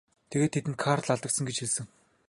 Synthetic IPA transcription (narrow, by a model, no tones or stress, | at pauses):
t̪ʰeɣeːt̪ʰːet̪ɘ̆nt̪kʰart̪ɮaɮt̪ə̆k̪̚sə̆ŋɡet͡ɕxiɮsɘ̆ŋ